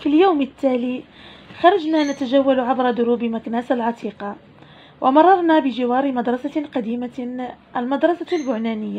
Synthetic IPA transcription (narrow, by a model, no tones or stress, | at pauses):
filjawmət̪ːæːli | xɑɾˤɑd͡ʒnænæt̪æʒæwːalʕabɾˤɑd̪ʊɾuːbmaknæːsalʕɑt̪ʰiːqɑ | wʔamɑrˤːɑɾˤnæbəʒɪwɑːɾmad̪ɾˤɑsaqɑd̪iːmaʔælmad̪ɾˤɑsalbʊʕnænəjːa